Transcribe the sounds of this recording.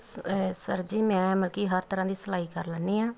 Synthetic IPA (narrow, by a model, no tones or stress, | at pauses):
səɾd͡ʒiːmɛ̃ːməlkiːɦəɾt̪əɾãːd̪iːsəlaːiːkəɾləːnːiːãː